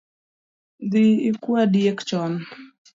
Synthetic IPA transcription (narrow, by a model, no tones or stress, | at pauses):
d̪iikuadjekt͡ʃɔn